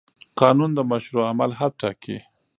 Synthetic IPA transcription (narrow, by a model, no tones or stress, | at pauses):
qɑnund̪əmaʃɾuamalɦab̚ʈɑki